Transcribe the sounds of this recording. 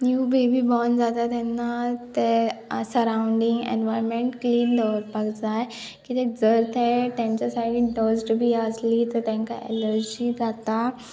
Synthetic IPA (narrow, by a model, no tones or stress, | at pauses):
njuːbebibɔnd͡zat̪at̪ɛnːat̪ɛsəɾãːʊ̃ɳɖɪŋɡɛ̰̃nʋajɾmẽɳʈkliːnd̪ɔʋəɾpəɡd͡zaːj | kit̪ẽd͡zəɾt̪ʰɛʈ̪ɛ̃nt͡ɕasaɽĩɖəzʈbʱiaːd͡zlit̪əɾt̪ɛ̃ɦŋkaɛ̰ləɾd͡ʑid͡zat̪a